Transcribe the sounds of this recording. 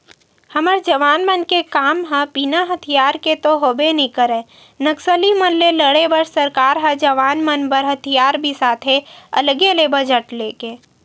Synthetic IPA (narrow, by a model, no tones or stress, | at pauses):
həməɾd͡ʒəʋaːnmənkekaːmɦə̃piːnaɦət̪ʰijaːɾket̪oɦoːbenĩkəɾɛ̃ː | nəksəlimənleləɽebəɾsəɾkaːɾɦə̃d͡ʒəʋaːnmənbəɾɦət̪ʰijaːɾbʱisaːt̪ʰɦeə̰ləɡelebəd͡ʒəʈleːkeː